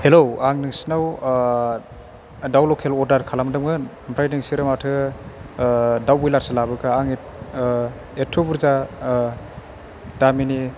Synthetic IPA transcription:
helowaŋnɯŋsinaw | dawlokʰelɔɾdaɾkʰalamdɯmɡɯnampʰɾajnɯŋsiɾɯmatʰɯ | dawbujlaɾsɯlabɯkaaŋ | etʰːobuɾza | damini

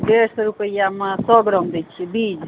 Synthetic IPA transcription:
d̪eɾsɾupəjamasɔɡɾɔmd̪et͡ʃʰibid͡ʒ

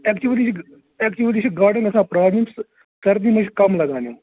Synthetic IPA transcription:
ɛːkt͡ʃuəlit͡ʃʰ | ɛːkt͡ʃuəlit͡ʃʰɡaːɾɖənəsãːpɾaːmɪms | kəɾd̪iːmə̃t͡ʃʰkəmləɡãːneõː

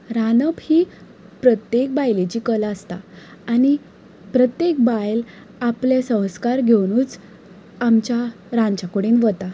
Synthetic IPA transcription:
ɾanəbhiː | pɾət̪jek̚bajlet͡ɕiːkələst̪a̰ːni | pɾət̪jek̚bajl | aplesə̃w̃skaɾɡʱewnuːt͡s | amt͡ɕa | ɾãnt͡ɕakəɽiːnʋət̪a

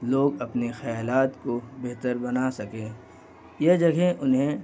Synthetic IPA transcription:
loːɡɐpnexɐjaːlaːt̪kobeɦt̪əɾbɐnasɐkẽː | jed͡ʒɐɡʱẽʔʊnɦẽ

